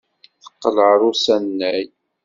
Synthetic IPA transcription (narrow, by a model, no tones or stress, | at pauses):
θə̥qːələʕɾˤʊsænːæj